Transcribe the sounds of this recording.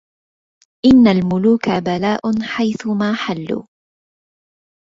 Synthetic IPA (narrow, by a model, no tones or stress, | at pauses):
ʔɪnːalmʊluːkabalaːʔʊnħajθʊmaːħalːṵː